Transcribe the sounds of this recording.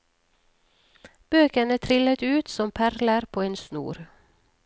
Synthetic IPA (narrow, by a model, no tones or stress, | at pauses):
b̥øːkənət̪ʰɾɪlət̪ʉːt̪sɔmpʰæɾləɾpʰoːeːnsnṵːɾ